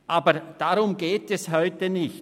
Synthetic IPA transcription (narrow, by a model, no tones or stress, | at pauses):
ʔaːbəd̥aʁʊmɡeːtɛshɔʏtənɪçt